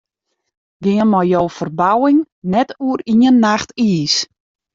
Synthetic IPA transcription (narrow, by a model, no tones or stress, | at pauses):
ɡɪŋənmɔjjowfərbawɪŋ | nɛtuəriənːaxtiːs